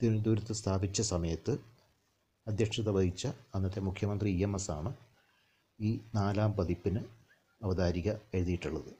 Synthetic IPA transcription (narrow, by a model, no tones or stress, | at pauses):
t̪ind̪uɾɐt̪ːɨst̪ʰaːbit͡ɕːɐsɐmɐjɐt̪ːɨ | ɐd̪jɐkʂɐðɐʋɐjit͡ɕːɐɐnːɐt̪ːemukʰjɐmɐnd̪riiemɐsa̰ːɳɨ | iːnaːlaːmpɐðipːinɨ | ɐʋɐd̪aːɾiɣɐe̞ɻuðijiʈːuɭːɐðɨ